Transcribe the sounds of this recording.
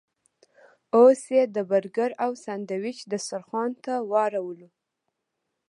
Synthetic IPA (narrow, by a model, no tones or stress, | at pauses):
osed̪əbaɾɡaɾawsand̪awɪt͡ʃd̪əsaɾxɑnt̪awɑɾawəlu